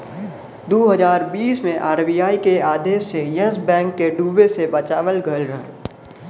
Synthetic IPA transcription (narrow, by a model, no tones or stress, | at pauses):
d̪oːɦəzaːɾbiːsmẽʔaːɾbijaːikeaːd̪eːʃːejəsbɛ̃ːŋkːeɖuːbesebɐt͡ʃaːʋəlɡʱəlɾə